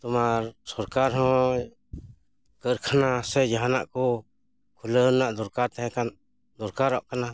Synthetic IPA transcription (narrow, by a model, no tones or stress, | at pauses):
t̪umaɾsɔɾkaɾɦɔ̃ | kəɾkʰanãsejaɦanaʔku | kʰulənaʔd̪uɾkaɾt̪eɦɛ̃kan | d̪uɾkaɾɔʔkana